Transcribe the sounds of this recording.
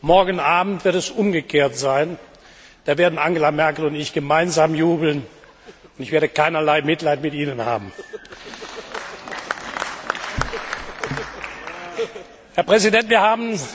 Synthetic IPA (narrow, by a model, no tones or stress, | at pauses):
mɔɐɡənʔaːbm̩tv̥ɪɐtɛsʔʊmɡəkʰeːɐtz̥aɪn | d̥aːveːɐdn̩ʔaŋɡəlamɛɐkl̩ʊntɪçɡ̥əmaɪnzaːmjuːbl̩n | ʊntɪçv̥eːɐdəkaɪnɐlaɪmɪtlaɪtmɪtʔiːnənha̰ːbm̩ | hɛɐpʁ̥ɛzidɛntv̥iːɐhaːbn̩